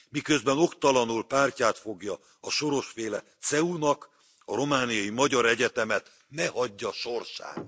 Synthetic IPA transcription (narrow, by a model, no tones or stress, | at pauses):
mikø̞zbɛno̞kt̪ɒlɒnulpaːrcaːt̪fo̞ɡjɒ | ɒʃo̞ɾo̞ʃfeːlɛt̪sɛunɒk | ɒɾo̞maːnijɒjimɒɟɒɾɛɟɛt̪ɛmɛt̪ | nɛhɒɟːɒʃo̞rʃa̰ːn